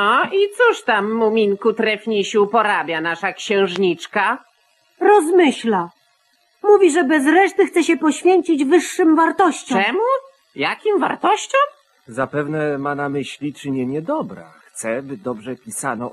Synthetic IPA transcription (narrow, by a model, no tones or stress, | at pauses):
ait̪suʂt̪amːumʲiŋkut̪ɾɛfʲɲiɕupɔɾabʲjanaʂakɕɛ̃w̃ʐɲit͡ʂka | ɾɔzmɘɕla | muvʲiʐɛbɛzɾɛʂt̪ɘxt̪ɛɕɛpɔɕfʲjeɲt͡ɕid͡ʑvɘʂːɘmvaɾt̪ɔɕt͡ɕɔɛmu | jakʲimva̰ɾt̪ɔɕt͡ɕɔ̃ | zapɛvnɛmanamɘɕlʲit͡ʂɘɲɛɲɛd̪ɔbɾa̰xt̪sɛbɘd̪ɔbʐɛpʲisanɔ